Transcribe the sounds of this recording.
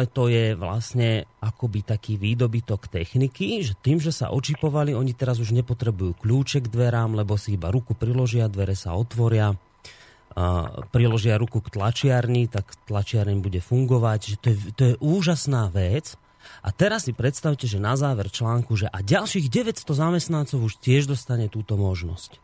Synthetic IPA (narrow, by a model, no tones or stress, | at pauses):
lɛt̪ɔjɛʋla̰sɲɛakɔbit̪akiːʋiːd̪ɔbit̪ɔkt̪ɛxnikiʒɛt̪iːmʒɛsa̰ʔɔt͡ʃipɔʋaliɔɲit̪ɛɾazuʒɲɛpɔt̪ɾɛbujuːkʎuːt͡ʃɛɡd̪ʋɛɾaːmlɛbɔsiibaɾukupɾilɔʒɪad̪ʋɛɾɛsa̰ɔt̪ʋɔɾɪa | pɾilɔʒɪaɾukukt̪lat͡ʃɪaɾɲit̪akt̪lat͡ʃɪaɾɛɲbuɟɛfuŋɡɔʋaɟʒɛt̪ɔjɛt̪ɔjɛʔuːʒasnaːʋɛt͡s | ʔa̰t̪ɛɾasːipɾɛt̪st̪aʊcɛʒɛnazaːʋɛɾt͡ʃlaːŋkuʒɛʔaɟalʃiːɣɟɛʋɛtst̪ɔzamɛst̪nant͡sɔʊuʃt̪ɪɛʒd̪ɔst̪aɲɛt̪uːt̪ɔmɔʒnɔ̰sc